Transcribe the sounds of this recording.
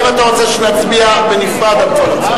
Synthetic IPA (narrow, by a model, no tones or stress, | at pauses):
vat̪aʁot͡seʃenat͡sbiabenifʁad̪abtolot